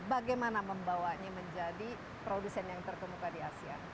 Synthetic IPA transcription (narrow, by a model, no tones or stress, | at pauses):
baɡajmanaməmbawaɲaməɲd͡ʒadi | pɾodusɛnjaŋt̪ərt̪əmukadiasia̰